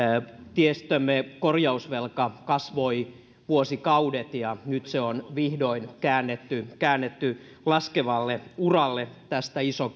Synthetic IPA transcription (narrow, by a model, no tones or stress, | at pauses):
t̪iest̪ømːekorjɑusʋelkɑkɑsʋoi | ʋuosikɑudet̪jɑnyt̪seonʋihdoinkæːnːet̪ːykæːnːet̪ːy | lɑskeʋɑlːeurɑlːet̪æst̪æiso